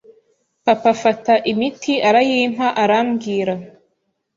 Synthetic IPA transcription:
papafataʔimitiʔaɾajim̥haʔaɾamɡiːɾa

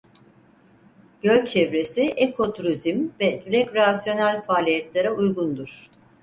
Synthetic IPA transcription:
ɟ̥ølʲt͡ʃʰɛvɾesiʔekʰo̞t̪ʰuɾizimvɛd̪yɾɛcɾasjo̞nælʲfaːlʲijɛt̪lʲeɾɛujɡund̪uɾ̥

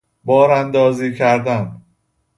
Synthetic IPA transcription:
bɒːɾænd̪ɒːziːcʰæɾd̪æn

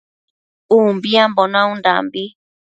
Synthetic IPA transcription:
umbiãmbonãũnda̰mbi

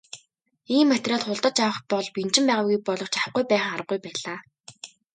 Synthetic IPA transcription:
iːmːæt̪raːɮχʊɮt̪ɞ̆t͡ɕawə̆χpɔɮpin̥t͡ɕɪ̆mpæːʁaːɣuj̚pɔɮɞ̆kt͡ɕawɡujpæːχŋaɾə̆ɡujpæːɮaː

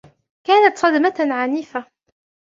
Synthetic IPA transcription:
kaːnat̪sˤɑd̪maʕaniːfa

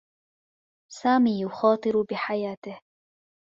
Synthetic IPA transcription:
saːmiːjʊxɑːt̪ˤɨɾbɪħajaːt̪ɪh

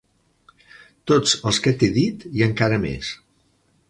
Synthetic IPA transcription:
t̪od͡zəlˠskət̪eðit̪iəŋkaɾəmḛs

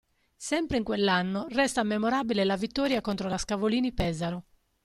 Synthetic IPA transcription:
sɛmpɾeiŋkwelːanːorɛst̪amːemoɾaːbilelavit̪ːɔːɾjakont̪ɾolaskavoliːnipɛːzaɾo

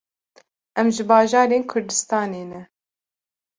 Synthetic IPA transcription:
ʔɛmʒɨbɑːʒɑːɾeːnkʰʊɾd̪ɨst̪ɑːneːnɛ

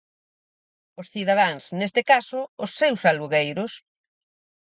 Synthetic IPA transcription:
osθiðaðaŋsnest̪ɪkasʊːsːewsaluɣejɾʊs

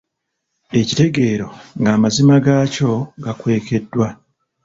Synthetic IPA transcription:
e̞cite̞ɡe̞ːɾo̞ŋɡaːmazimaɡaːco̞ɡakwe̞ːke̞dːwa

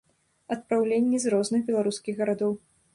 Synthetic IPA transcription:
ɐt̪̚pɾawlʲenʲːizrɔznɨxbʲɛlˠaɾuskʲiɣɣɐɾad̪ɔw

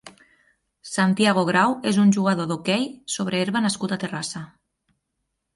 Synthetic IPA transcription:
sant̪iaɣ̞oɣ̞ɾawezunʲʒuɣ̞aðoðokɛjsoβ̞ɾeeɾβanaskut̪at̪erasa

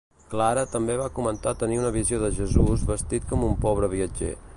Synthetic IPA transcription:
klaɾət̪əmbeβakumənt̪at̪əniunəβizioðəʒəzuzβəst̪it̪̚kɔmumpɔβɾəβ̞iəd͡ʒḛ

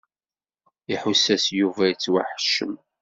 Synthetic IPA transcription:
iħʊsːæsjuvæjit͡sːwa̰ħə̥ʃːəm

